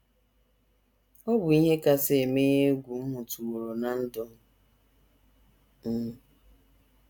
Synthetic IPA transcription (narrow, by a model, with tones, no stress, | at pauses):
ɔ˦bʊ˨i˦ɦe˦ka˦se˨me˦ɲe˦ɡʷu˨m̩˦mʊ˨tu˨wo˨ɾo˨na˨n̩˦dɔ˦m˨ | m̩˦